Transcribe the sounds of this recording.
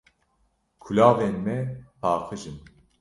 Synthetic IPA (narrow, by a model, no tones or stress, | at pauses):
kʰulaːveːnmɛpʰaːqʰɨʒɨm